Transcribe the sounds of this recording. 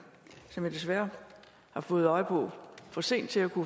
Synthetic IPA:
sɒ̽mjɑd̥e̝s̬ʋæɐ | hɑ̈fɔ̽ːð̞̩ˠɒ̽ɪpʰɒ̽fɒse̝̰ːn̰d̥̚t͡sʰe̝ækʰu

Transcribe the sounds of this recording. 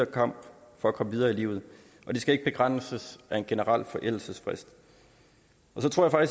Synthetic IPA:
ɐkʰɑ̈m̰b̥fɒ̽ækʰɒ̽məʋið̞ˠɐːilḭːʊð̩ˠ | ʔɒ̽d̥esɡ̥æe̝ɡ̥əb̥e̝ɡ̥ʁan̰səsʔæe̝nɡ̥e̝nəʁɑl̰fɒ̽ʔel̰l̩səsfʁɛsd̥ | ʔɒ̽sɒ̽t͡sʰʁoɐ̰jfɑɡ̥is

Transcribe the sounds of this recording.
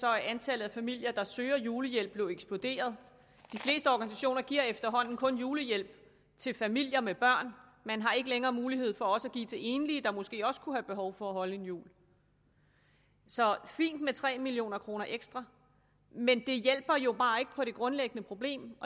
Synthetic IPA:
sɒ̽æɐʔænt͡sʰælð̞̩ˠæfæmil̰jɐd̥ɑ̈søːɐjuːləjel̰b̥le̝eɡ̥sb̥lo̝d̥e̝̰ːɐð̞ˠ | d̥ifle̝̰ːsd̥əɒːɡ̥ænisæɕo̝̰ːnɐɡ̥iɐ̰efd̥ɐɦɒ̽n̰n̩kʰɔ̽njuːləjel̰b̥ | t͡sʰe̝lfæmil̰jɐmeb̥ɶɐ̰nmænɦɑ̈e̝ɡ̥əleŋɐːmuːliɦe̝ð̞̰ˠfɒ̽ɒ̽sæɡ̥ḭːt͡sʰe̝e̝ːnlid̥ɑ̈mɔ̽sɡ̥e̝̰ːɒ̽sə̥kʰuhæb̥e̝ɦɒʊfɒ̽æɦɒ̽ləe̝njṵːl | sɒ̽fḭːnd̥met͡sʰʁɛ̰ːmilijo̝̰ːnɐkʰʁo̝ːnɐʔeɡ̥sd̥ʁɑ̈ | mend̥e̝jel̰b̥ɐjo̝b̥ɑ̈ːe̝ɡ̥ə̥pʰɒ̽ɾ̥e̝ɡ̥ʁɔ̽nleɡ̥ənəpʰʁo̝b̥le̝̰ːmɒ

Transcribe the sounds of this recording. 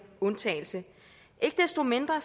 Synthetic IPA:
ɔ̽nt͡sʰɛ̰ːɪl̩sə | ʔe̝ɡ̥əd̥esd̥o̝me̝nd̥ʁɐs

